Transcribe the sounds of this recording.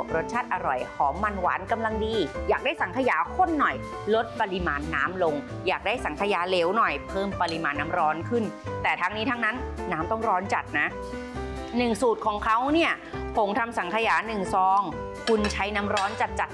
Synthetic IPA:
ɾo˦˥t̪̚t͡ɕʰaː˥˩t̪̚ʔa˧ɾɔ˨˩jhʰɔː˩˦ma˧nwa̰ː˩˦nka˧mla˧ŋdiː˧jaː˨˩k̚daː˥˩jsa˩˦ŋkʰa˧jaː˩˦kʰo˧˥˩nːɔ˨˩j | lo˦˥t̪̚pa˧li˧maː˧nːa̰ː˦˥mlo˧ŋ | jaː˨˩k̚daː˥˩jsa˩˦ŋkʰa˧jaː˧˦le˦˥wnɔ˨˩jpʰɤː˥˩mpa˧li˧maː˧nːa˧˦˥mɾɔː˦˥nkʰɯ˥˩nt̪ɛː˨˩t̪ʰaː˧˥ŋniː˦˥t̪ʰa˧ŋna˦˥nːaː˦˥mt̪ɔ˥˩ŋɾɔː˦˥nt͡ɕa˨˩t̪̚na˦˥ | nɯ˨˩ŋsuː˨˩t̪̚kʰɔː˩˦ŋkʰa˦˥wni˥˩ɐ | pʰo˨˩˦ŋt̪ʰa˧msa˨˩˦ŋkʰa˧jaː˩˦nɯ˨˩ŋsɔː˨˦ŋ | kʰu˧nt͡ɕʰa˦˥jna˦˥mɾɔː˦˥nt͡ɕa˨˩t̪̚t͡ɕa˨˩t̪̚

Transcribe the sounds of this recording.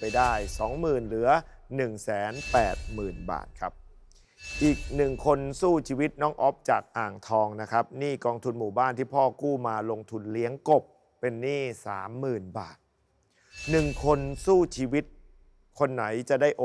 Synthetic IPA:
pa˧jdaː˥˩jsɔː˩˦ŋmɯː˨˩nlɯ˩˦ɐnɯ˨˩ŋsɛː˩˦npɛː˨˩t̪̚mɯː˨˩nba̰ː˨˩t̪̚kʰa˦˥p̚ | ʔiː˨˩k̚nɯ˨˩ŋkʰo˧nsuː˥˩t͡ɕʰiː˧wi˦˥t̪̚nɔ˦˥˩ŋʔɔ˦˥p̚t͡ɕaː˨˩k̚ʔaː˨˩ŋt̪ʰɔː˧ŋna˦˥kʰa˦˥p̚niː˥˩kɔː˧ŋt̪ʰu˧nmuː˨˩baː˥˩nt̪ʰiː˥˩pʰɔː˥˩kuː˥˩maː˧lo˧ŋt̪ʰu˧nli˦˥əŋko˨˩pː | e˧nːiː˥˩sa̰ː˩˦mːɯː˨˩nba̰ː˨˩t̪̚ | nɯ˨˩ŋkʰo˧nsuː˥˩t͡ɕʰiː˧wi˦˥t̪̚ | kʰo˧nːa˩˦jt͡ɕa˨˩da˥˩jʔo˨˩

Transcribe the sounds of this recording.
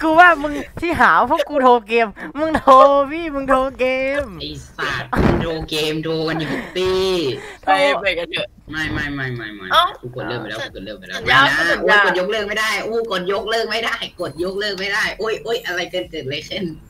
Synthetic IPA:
kuː˧waː˧˥˩mɯ˧ŋt̪ʰiː˥˩ɦaː˩˦pʰɔː˦˥˩kuː˧t̪ʰoː˧keː˧mːɯ˧ŋt̪ʰoː˧biː˧˥˩mɯ˧ŋt̪ʰoː˧keː˧mi˧˩˧aː˨˩t̚t̪ʰoː˧keː˧mt̪ʰoː˧ka˧nju˨˧˩t̪i˧˩t̪ʰo˧e˧˩laː˨˩jka˧˩tɯ˧˩ | ma˥˩jma˥˩jma˥˩jma˥˩jma̰˦˥˩ʔa˧˩ku˧ko˨˩t̪lɤː˧˥˩ma˧˩daː˦˥˩kːko˨˩t̚lɤː˥˩k̚ma˧˩da˧˨˩a˧˩a˧a˧˨˧a˧˨˩t̚jo˦˧˥k̚lɤː˥˩k̚ma˥˩jdaː˥˩jʔuː˧˩koː˨˩t̪̚jo˦˥k̚lɤː˥˩k̚ma˥˩jda˥˩jko˨˩t̪̚jo˦˥k̚lɤː˥˩k̚ma˥˩jdaː˥˩jʔo˧˩jʔo˧˩jʔa˧ɾa˧jkəː˧nkeː˨˧˩le˧˦se˧˥˨n

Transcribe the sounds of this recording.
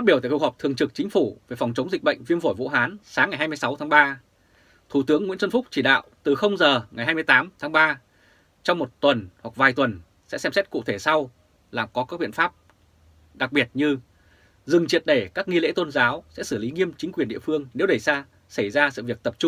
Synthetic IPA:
fa˦˥i˧˩t̪aː˧˩kk̚hɔ˨˩p̚t̪ʰɨ˨˩əŋt͡ɕɨ˨˩k̚t͡ɕï˨˦ŋ̟fu˧˩ve˨˩fɔ˨˩ŋ͡mt͡ɕə˨˦wŋ͡mzï˨˩k̚ɓə̰˧˨jŋ̟vi˧ənvo˧˩jvṵ˧˥ɦaː˨˦nsaː˨˦ŋːa˨˩jɦaː˧m˧əjsa˨˦wt̪ʰa˨˦ŋɓaː˧ | t̪ʰu˧˩t̪ɨ˨˦əŋːwḭ˧˥nsə˧nfʊ˦˥k͡p̚t͡ɕi˧˩ɗa̰ː˧˨wt̪ɨ˨˩xə˧wŋ͡mzəː˨˩ŋa˨˩jɦaː˧jm˧jt̪aː˨˦mt̪ʰaː˨˦ŋɓaː˧ | t͡ɕɔ˧wŋ͡mmo˨˩t̚t̪wə˨˩nhwa˨˩k̚vaː˨˩jt̪wə˨˩n | sɛ̰˧˥sɛ˧msɛ˦˥t̚kṵ˧˨t̪ʰe˧˩sa˧w | laː˨˩mkɔ˨˦kaː˦˥k̚ɓḭ˧˨ənfaː˦˥p̚ | ɗa˨˩k̚ɓi˨˩ət̚ɲɨ˧ | zɨ˨˩ŋt͡ɕi˨˩ət̚ɗe˧˩kaː˦˥k̚ŋi˧lḛ˧˥t̪o˧nzaː˨˦wsɛ̰˧˥sɨ˧˩li˨˦ŋi˧əmt͡ɕï̟˨˦kwi˨˩ənɗḭ˧˨əfɨ˧əŋne˨˦wɗə˧˩jsaː˧ | sə˧˩jzaː˧sɨ̰˧˨vi˨˩ək̚t̪ə˨˩p̚t͡ɕʊ˧ŋ͡m

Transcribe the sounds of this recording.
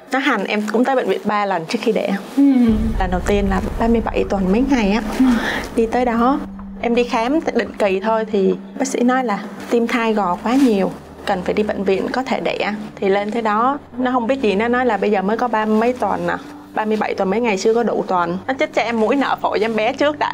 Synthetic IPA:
nɔ˨˦ɦa˨˩ŋ̟ʔɛ˧mkʊ̰˧˥ŋ͡mt̪əː˨˦jɓə̰˧˨ŋ̟vḭ˧˨ənɓaː˧lə˨˩nt͡ɕɨ˦ək̚xi˧ɗḛ˧˩˨ʔlə˨˩nɗə˨˩wt̪i˧ənlaː˨˩ɓaː˧mɨ˧əjɓa˧˩jt̪wə˨˩nmə˨˦jŋa˨˩jʔaː˨˦ɗi˧t̪əː˨˦jɗɔ˨˦ | ʔɛ˧mɗi˧xaː˨˦mɗḭ̈˧˨ŋ̟ki˨˩t̪ʰo˧jt̪ʰi˨˩ | ɓaː˦˥k̚sḭ˧˥nɔ˨˦jlaː˨˩t̪i˧mt̪ʰaː˧jɣɔ˨˩kwaː˨˦ɲi˨˩əw | kə˨˩nfaː˧˩jɗi˧ɓḛ˧˨ŋ̟vḭ˧˨ənkɔ˨˦t̪ʰe˧˩ɗḛ˧˩ʔaː˧t̪ʰi˨˩le˧nt̪ʰe˨˦ɗɔ˨˦ | nɔ˨˦ɦə˧wŋ͡mɓi˦˥ət̚zi˨˩nɔ˨˦nɔ˨˦jlaː˨˩ɓə˧jzəː˨˩məː˨˦jkɔ˨˦ɓaː˧mə˨˦jt̪wə̰˨˩naː˨˩ | ɓaː˧mɨ˧əjɓa˧˩jt̪wə˨˩nmə˨˦jŋa˨˩jt͡ɕɨ˧əkɔ˨˦ɗṵ˧˩˨t̪wə˨˩nnɔ˨˦t͡ɕə˦˥t̚t͡ɕɔ˧ʔɛ˧mːṵ˧˥jnə̰ː˧˩fo˧˩jza˧mɓɛ˨˦t͡ɕɨ˦˥ək̚ɗa̰ː˧˨

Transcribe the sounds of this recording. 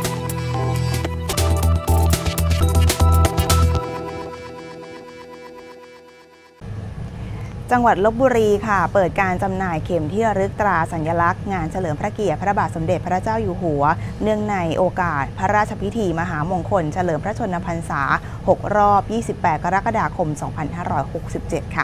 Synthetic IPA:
t͡ɕa˧ŋwa˨˩t̪̚lo˦˥k̚buː˧ɾiː˧kʰa˥˩pɤː˨˩t̪̚kaː˧nt͡ɕa˧mnaː˧jkʰe˨˩mt̪ʰi˥˩ɾɯ˦˥k̚t̪ɾaː˧sa˩˦nja˧la˦˥k̚ŋaː˧nt͡ɕʰa˧lɤː˩˦mpʰɾa˦˥ki˨˩ət̪̚pʰɾa˦˥baː˨˩t̪̚so˩˦mde˨˩t̪̚pʰɾa˦˥t͡ɕaː˥˩wjuː˨˩ɦu˩˦ɐnɯ˥˩əŋna˧jʔoː˧kaː˨˩t̪̚pʰɾa˦˥ɾaː˥˩t̪̚t͡ɕʰa˧pʰi˦˥t̪ʰiː˧maː˧ɦaː˩˦mo˧ŋkʰo˧nt͡ɕʰa˧lɤː˩˦mpʰɾa˦˥t͡ɕʰo˧nːa˧pʰa˧nsaː˩˦ | ho˨˩k̚ɾɔː˥˩p̚jiː˥˩si˨˩pːɛː˨˩t̪̚ka˧ɾa˦˥ka˧daː˧kʰo˧msɔː˩˦ŋpʰa˧nhaː˥˩ɾɔː˦˥jho˨˩k̚si˨˩p̚t͡ɕe˨˩t̪̚kʰa̰˥˩

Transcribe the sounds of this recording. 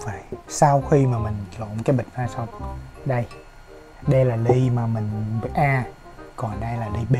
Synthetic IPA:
vaː˨˧˩jsaː˧wxi˧maː˨˩mï˨˩ŋ̟lo̰˧˨nkaː˨˦jɓi˨˩k̚zaː˧sa˧wŋ͡mɗə˧j | ɗə˧jlaː˨˩li˧maː˨˩mï˨˩ŋ̟ɓi˨˩t̚ʔaː˧ | kɔ˨˩nɗə˧jlaː˨˩li˧ɓe˧

